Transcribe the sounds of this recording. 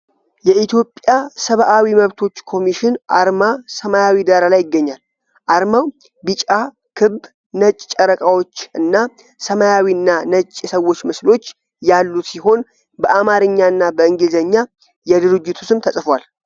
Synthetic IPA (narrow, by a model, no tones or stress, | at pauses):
jɛʔit̪ʰjo̞pʼjasəβʔawiməβt̪ʰo̞t͡ʃːkʰo̞miʃɪnʔaɾmasəmajawid̪aɾalajːɪɡːəɲːal | ʔaɾmaw | bɨt͡ʃʼa | kʰɨb | nət͡ʃʼt͡ʃʼːəɾəkʼawo̞t͡ʃːɨnːa | səmajawiɨnːanət͡ʃʼːsəwːo̞t͡ʃːmɨslo̞t͡ʃː | jalːusiɦo̞n | bəʔamaɾɨɲːaɨnːabəɨŋɡɨlzəɲːa | jɛd̪ɨɾɨd͡ʒːɪt̪ʰu̥sɨmt̪ʰəsʼfwal